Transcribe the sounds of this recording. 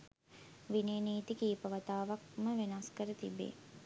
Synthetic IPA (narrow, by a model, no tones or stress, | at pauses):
ʋineːniːt̪ikiːpəʋat̪aːʋak̚məʋenaskəɾət̪ibːḛː